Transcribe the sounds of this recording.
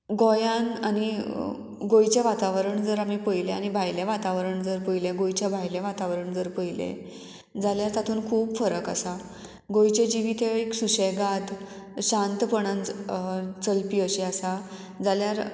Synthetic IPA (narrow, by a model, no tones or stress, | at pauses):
ɡojanañi | ɡojt͡ɕjaʋat̪aʋɾəɳd͡zəɾam̤ipəjleañibʱajljaʋat̪aʋɾəɳd͡zəɾpəjleɡojt͡ɕjabʱajleʋat̪aʋɾəɳd͡zəɾpəjlḛ | d͡zaljaɾt̪at̪ʰuːnkʰuːbfəɾəkasa | ɡojt͡ɕed͡ʑiʋit̪ʰeeksuɕejɡad̪ | ɕãnt̪pəɳãn | t͡səlpiːəɕeasa | d͡zaljaɾ